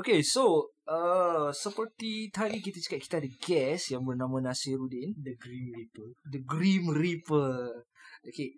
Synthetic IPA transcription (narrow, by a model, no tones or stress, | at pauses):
okesoəsəpərt̪it̪adik̬it̪at͡ʃḁkat̪̚ki̥t̪adəɡɛsjaŋbərnãmãnãsiɾudindəɡɾimripədəɡɾimripə | oke